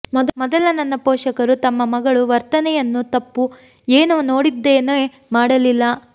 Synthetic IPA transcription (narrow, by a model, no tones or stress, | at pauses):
mɔd̪mɔd̪ɐlɐnɐnːɐpoːʂɐkɐɾut̪ɐmːɐmɐɡɐɭuʋɐɾt̪ɐnɛjɐnːut̪ɐpːu | eːnuno̞ːɽid̪ːeːno | maːɽɐlilːɐ